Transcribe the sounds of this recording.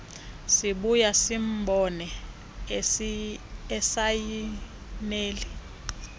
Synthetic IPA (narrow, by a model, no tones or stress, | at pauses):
siɓujasim̩bʱɔnɛ | ɛsaji | neːli